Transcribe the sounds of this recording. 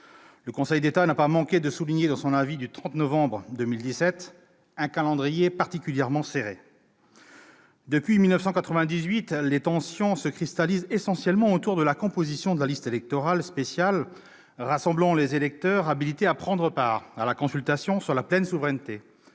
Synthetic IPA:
ləkɔ̃sɛjd̪et̪anapamɑ̃kʲed̪əsuliɲed̪ɑ̃sɔ̃navid̪yt̪χɑ̃t̪nɔvɑ̃bʁd̪ømild̪isɛt̪ | ɛ̃kalɑ̃d̪ʁijepaʁt̪ikʲyljɛʁmɑ̃seʁe | d̪əpɥimilnəfsɑ̃kat̪χəvɛ̃d̪izɥit̪let̪ɑ̃sjɔ̃səkχist̪alizesɑ̃sjɛlmɑ̃ot̪uʁd̪əlakɔ̃pozisjɔ̃d̪əlalist̪elɛk̚t̪ɔʁalspesjal | ʁasɑ̃blɑ̃lezelɛk̚t̪œʁabilit̪eapχɑ̃d̪ʁəpaːʁalakɔ̃sylt̪asjɔ̃syʁlaplɛnsuvʁɛnt̪e

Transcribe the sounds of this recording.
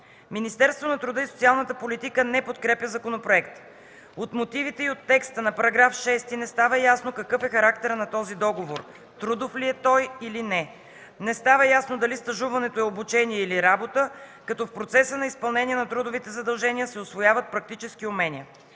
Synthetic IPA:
minist̪ɛɾst̪vonɐt̪ɾʊd̪ɤisot̪sialˠnət̪əpolit̪ikənɛpot̪kɾɛpjʲəzɐkonopɾoɛkt̪ | ot̪mot̪ivit̪ɛiot̪ːɛkst̪ənɐpɐɾɐɡɾafʃɛst̪inɛst̪avəjasnokɐkɤfɛxɐɾakt̪ɛɾnɐt̪ɔzid̪ɔɡovoɾ | t̪ɾud̪ofliɛt̪ɔjilinɛ | nɛst̪avəjasnod̪ɐlist̪ɐʒuvɐnɛt̪oɛobut͡ʃɛniɛiliɾabot̪əkɐt̪ɔfpɾot̪sɛsənɐispɐlˠnɛniɛnɐt̪ɾud̪ʊvit̪ɛzɐd̪ɐlˠʒɛniəsɛʊsvojavət̪̚pɾɐk̚t̪it͡ʃɛsk̟iʊmɛnʲiə

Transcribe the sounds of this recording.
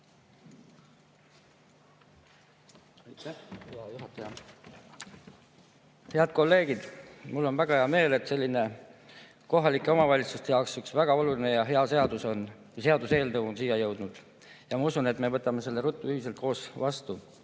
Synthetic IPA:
jt̪juɦɑt̪ːˑɑjɑ | he̞ɑd̪̥̚ko̞lːe̞ːɡid̪̥mulːo̞nvæɡ̥ɑheɑme̞ːle̞t̪se̞lʲːine̞ | ko̞ɦɑlikːˑe̞o̞mɑvɑlʲit̪sust̪e̞jɑwksyksvæɡ̥ɑo̞luline̞jɑɦeɑse̞ɑd̪uso̞n | se̞ɑd̪use̞ːlnɤwonsijɑjɤwd̪̥nud̪̥ | jɑmɑusune̞t̪me̞vɤt̪ːˑɑme̞se̞lːe̞ɾut̪ːˑuyhis̬e̞lt̪̚ko̞ːsvɑst̪u

